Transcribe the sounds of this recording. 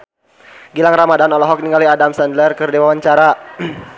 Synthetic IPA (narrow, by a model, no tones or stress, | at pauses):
ɡilaŋramadanɔlɔɦɔk̚niŋɡaliadamsɛndlərkərdewawaɲt͡ʃaɾa